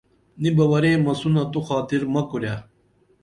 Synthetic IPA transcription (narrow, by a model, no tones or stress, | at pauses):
nibɐwɐɾeːmɐsunɐt̪uxaːt̪iɾmɐkuɾjaː